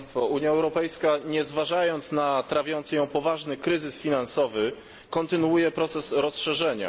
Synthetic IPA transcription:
t̪fɔuɲjaɛwɾɔpɛjskaɲɛzvaʐajɔnt̪snat̪ɾavʲjɔnt̪sjɔ̃w̃pɔvaʐnɘkɾɘzɘsfʲinansɔvɘ | kɔnt̪ɘnuwujɛpɾɔt̪sɛsɾɔsʂɛʐɛɲa̰

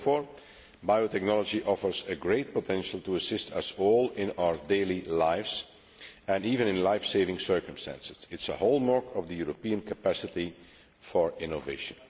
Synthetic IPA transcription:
fɔːɹ | baɪotɛk̚nɔlˠɔd͡ʒiʔɔfə˞zɨɡɹeɪt̚potʰɛ̃nʃəl̩ˠtuəsɪstʰʌsɔːlˠɪ̃naʊə˞deɪlilaɪvz | ɨ̃niːvɨ̃nɪ̃nlaɪfseɪvɪ̃ŋsɜ˞kə̃m̩stæ̰̃nsɪz̥ɪtsəhoʊlˠmɑɹkʰʌvdəjuɹopiə̃nkəpæsɪti | fɔɹɪ̃noveɪʃə̃n

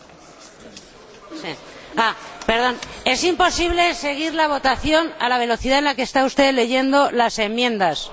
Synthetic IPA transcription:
siape̞ɾð̞o̞ne̞simpo̞siβle̞se̞ɣ̞iɾlaβ̞o̞t̪aθjo̞na̰laβ̞e̞lo̞θiðaenlakeːst̪aust̪e̞ðle̞ʝe̞nd̪o̞lase̞mjẽ̞nd̪as

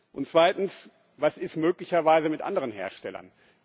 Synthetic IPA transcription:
ʔʊntt͡sv̥aɪtn̩s | vasɪstmøːklɪçɐvaɪzəmɪtʔa̰ndəʁənhḛːɐʃtɛlɐ̰n

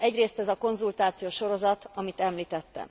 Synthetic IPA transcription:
ɛɟreːst̪ɛzɒko̞nzult̪aːt̪sijoːʃo̞ɾo̞zɒt̪ɒmit̪ɛmliːt̪ɛt̪ːɛ̰m

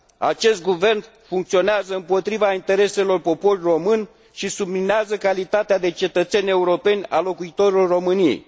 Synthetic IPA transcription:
a̰t͡ʃe̞st̪̚ɡuve̞rn | fuŋkt̪sio̞neazəɨmpo̞t̪ɾivaint̪e̞ɾe̞se̞lo̞rpo̞po̞rʲro̞mɨnʲ | ʃisublineazəkalit̪at̪ead̪e̞t͡ʃe̞t̪ət̪se̞nʲe̞uɾo̞pe̞nʲa̰lo̞kuit̪o̞ɾilorro̞mɨnije̞̰j

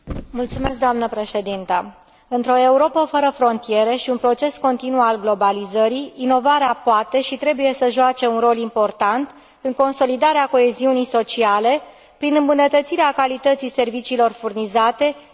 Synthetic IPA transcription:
mult̪sume̞s̬k̚d̪oamnəpɾe̞ʃe̞d̪int̪ə | ɨnt̪ɾo̞e̞uɾo̞pəfəɾəfɾo̞nt̪ije̞ɾeʃiunpɾo̞t͡ʃe̞sko̞nt̪inualɡlo̞balizəɾiːno̞vaɾeapoat̪e̞ʃit̪ɾe̞buje̞səʒoat͡ʃe̞unro̞limpo̞rt̪ant̪ | ɨŋko̞nso̞lid̪aɾeako̞e̞ziunijso̞t͡ʃiale̞ | pɾinɨmbunət̪ət̪siɾeakalit̪ət̪sise̞rvit͡ʃiːlo̞rfurnizat̪e̞

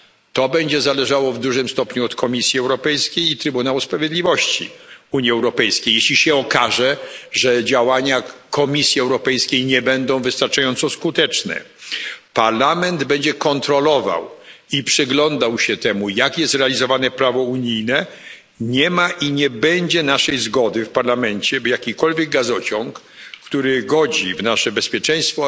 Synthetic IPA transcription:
t̪ɔbɛɲd͡ʑɛzalɛʐawɔvd̪uʐɘmst̪ɔpɲuɔt̪kʰɔmʲisʲjiɛwɾɔpɛjskʲejit̪ɾɘbunawuspɾavʲjed̪lʲivɔɕt͡ɕḭuɲjiɛwɾɔpɛjskʲejɛɕlʲiɕɛɔkaʐɛʐɛd͡ʑawaɲakʰɔmʲisʲjiɛwɾɔpɛjskʲejɲɛbɛnd̪ɔ̃w̃vɘst̪aɾt͡ʂajɔnt̪sɔskut̪ɛt͡ʂnɛ̰ | paɾlamɛnd̪bɛɲd͡ʑɛkɔnt̪ɾɔlɔva̰wipʂɨɡlɔnd̪awɕɛt̪ɛmujakjɛst̪ɾɛalʲizɔvanɛpɾavɔuɲijnɛ | ɲɛmaʔiɲɛbɛɲd͡ʑɛnaʂɛjzɡɔd̪ɘfpaɾlamɛɲt͡ɕɛbjakʲikɔlvʲjɛɡ̚ɡazɔt͡ɕɔ̃ŋkː | t̪uɾɪɡɔd͡ʑivnaʂɛbɛspʲjɛt͡ʂɛ̃j̃st̪fɔ

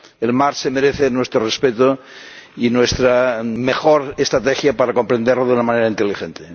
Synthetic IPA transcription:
elmaɾsemeɾeθenwest̪ɾorespet̪o | inwest̪ɾamexoɾest̪ɾat̪exjapaɾako̞mpɾend̪eɾloðunamãneɾaint̪elixent̪e

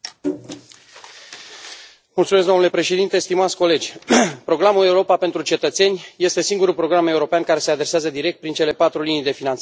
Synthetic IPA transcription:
mult̪sumes̬ɡd̪o̞nulepɾe̞ʃe̞d̪int̪e̞st̪imat̪sʲko̞le̞d͡ʒʲpɾo̞ɡɾamule̞uɾo̞papent̪ɾut͡ʃe̞t̪ət̪se̞nʲje̞st̪e̞siŋɡuɾulpɾo̞ɡɾame̞uɾo̞peankaɾe̞se̞ad̪ɾe̞seazəd̪iɾekt̪̚pɾint͡ʃe̞le̞pat̪ɾulinijd̪e̞finans

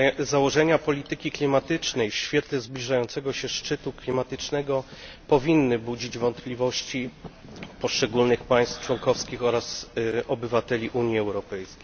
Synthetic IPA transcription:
zawɔʐɛɲapɔlʲit̪ɘkʲiklʲimat̪ɘt͡ʂnɛjɕfʲjɛt̪lɛzblʲiʐajɔnt̪sɛɡɔɕɛʂt͡ʂɘt̪uklʲimat̪ɘt͡ʂnɛɡɔ | pɔvʲinːɘbud͡ʑid͡ʑvɔnt̪plʲivɔɕt͡ɕi | pɔʂt͡ʂɛɡulnɘxpaj̃st̪ft͡ʂwɔŋkɔfskʲixɔɾasʔɔbɘvat̪ɛlʲiʔuɲjiɛwɾɔpɛjskʲej

